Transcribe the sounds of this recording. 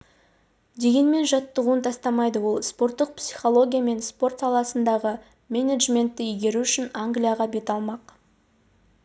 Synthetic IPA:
d̪e̞ɡʲe̞nme̞nʒɑt̪ːəʁuənt̪ʰɑst̪ɑmɑjd̪əwo̞lˠspo̞rt̪ːəq̚psiχo̞lˠo̞ɡʲijame̞nspo̞rt̪sɑlˠɑsənd̪ɑʁə | mʲe̞neʒmʲe̞nt̪ːɪijɡʲe̞ɾuʏʃɪnaŋɡlijɑʁɑbe̞t̪ɑlˠmɑq

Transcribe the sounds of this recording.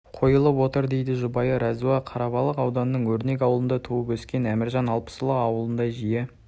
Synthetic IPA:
qʰo̞jəlˠəpwo̞t̪əɾd̪e̞jd̪ɪʒʊbɑjəɾʔɑzuɑqʰɑɾɑbɑlˠəqɑwd̪ɑnːəɴwɵɾne̞k̬ʲɑwlˠənd̪ɑt̪ʰuwəpwɵskʲe̞næmɪɾʒɑnɑlˠpə̥səlˠəqɑwəlˠənd̪ɑʒije

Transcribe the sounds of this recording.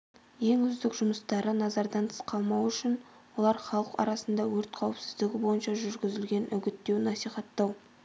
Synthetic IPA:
je̞ŋʏzd̪ɪkʒʊməst̪ɑɾənɑzɑɾd̪ɑnt̪ʰə̥sqʰɑlˠmɑwʏʃɪn | wo̞lˠɑɾχɑlˠəqɑ̰ɾɑsənd̪ɑwɵɾt̪qʰɑwɪpsɪzd̪ɪɡʲɪbo̞jənʃɑʒʏɾɡʲɪzɪlɡʲe̞nʔʏɡʲɪt̪ːe̞wnɑsijχɑt̪ːɑw

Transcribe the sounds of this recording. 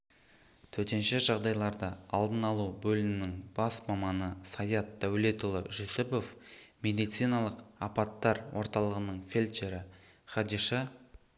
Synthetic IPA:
t̪ʰɵt̪e̞nʃɪʒɑʁd̪ɑjlˠɑɾd̪əɑlˠd̪ənɑlˠubɵlɪnɪnɪŋb̥ɑsmɑmɑnəsɑjɑt̪̚d̪æwlet̪ʊlˠəʒosɪpo̞fme̞d̪ijt̪sijnɑlˠəqɑpɑt̪ːɑɾwʔo̞ɾt̪ɑlˠəʁənəɴfʲelʲt͡ʃe̞ɾɪ | χɑd̪iʃɑ

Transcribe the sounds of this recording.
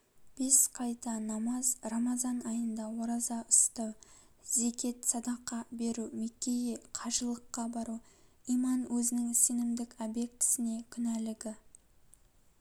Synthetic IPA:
b̥e̞sqʰɑjt̪ɑnɑmɑzromɑzɑnɑjənd̪ɑwoɾɑzɑʊst̪əw | ze̞kʲe̞t̪sɑd̪ɑqːɑbe̞ɾumekʲe̞jeqʰɑʒəlˠəqːɑbɑɾuijmɑnwʔɵzɪnɪŋse̞nɪmd̪ɪkɑbe̞k̚t̪ʰɪ̥sɪne̞kʲʰʏnælɪɡʲɪ

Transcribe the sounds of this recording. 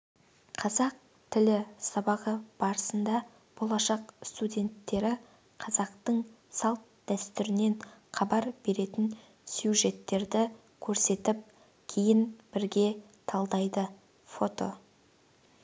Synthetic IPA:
qʰɑzɑq̚ | t̪ʰɪlɪsɑbɑʁəb̥ɑɾəsənd̪ɑ | b̥olˠɑʃɑqst̪ud̪ʲe̞nt̪ːe̞ɾɪ | qʰɑzɑqt̪əɴ | sɑlˠt̪̚d̪̥æst̪ʏɾɪne̞nχʰɑbɑɾbe̞ɾe̞t̪ɪn | sjuʒe̞t̪ːe̞ɾd̪ɪ | kʲʰɵɾse̞t̪ɪp̚ | kʲʰejɪnb̥ɪɾɡʲe̞ | t̪ʰɑlˠd̪ɑjd̪ə | fo̞t̪o̞̰

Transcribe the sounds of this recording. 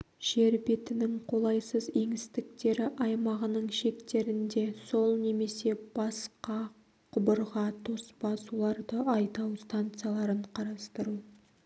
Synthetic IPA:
ʒ̥e̞ɾbet̪ɪnɪŋqʰo̞lˠɑjsəze̞ŋɪst̪ɪk̚t̪e̞ɾɪʔɑjmɑʁənəɴʃe̞kt̪e̞ɾɪnd̪e̞so̞lˠne̞me̞se̞b̥ɑsqɑ | qʰʊbəɾʁɑt̪ʰo̞spɑsuwolˠɑɾd̪əɑjt̪ɑwst̪ant̪sɨjalˠɑɾəɴqʰɑɾɑst̪əɾu

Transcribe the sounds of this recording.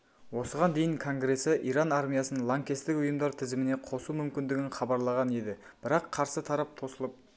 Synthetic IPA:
wo̞səʁɑnd̪e̞jɪŋkʰo̞ŋɡɾe̞sɪʔiɾɑnaɾmʲijasənənlˠaŋkʲest̪ɪkʊjəmd̪ɑɾt̪ʰɪzɪmɪne̞qʰo̞sumʏmkʲɪnd̪ɪɡʲɪnχɑbɑɾlˠɑʁɑne̞d̪ɪ | b̥ɪɾɑqʰːɑɾsət̪ʰɑɾɑp̚t̪ʰo̞səlˠəp̚

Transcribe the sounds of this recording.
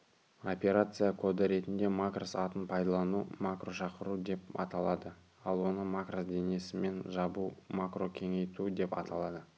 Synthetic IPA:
o̞pʲe̞ɾat̪sɨjakʰo̞d̪əɾe̞t̪ɪnd̪e̞makrosɑt̪ənpʰɑjd̪ɑlˠɑnumakro̞ʃɑqəɾud̪e̞p̚ɑ̰t̪ɑlˠɑd̪ə | ɑlˠwo̞nəmakrosd̪e̞ne̞sɪme̞nʒɑbumakro̞kʲʰe̞ŋe̞jt̪ud̪e̞pɑ̰t̪ɑlˠɑd̪ə

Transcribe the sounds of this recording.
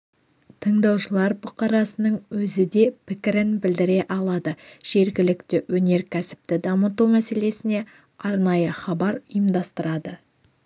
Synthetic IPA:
t̪ʰəɴd̪ɑwʃəlˠɑɾbʊqɑɾɑsənəɴwɵzɪd̪e̞pʰɪkʲɪɾɪnbɪld̪ɪɾe̞ʔɑlˠɑd̪əʒ̥e̞ɾɡʲɪlɪkt̪ɪwɵne̞ɾkʲʰæsɪ̥p̚t̪ɪd̪ɑmət̪umæse̞le̞sɪne̞ | ɑɾnɑjəχɑbɑɾʊjəmd̪ɑst̪əɾɑd̪ə

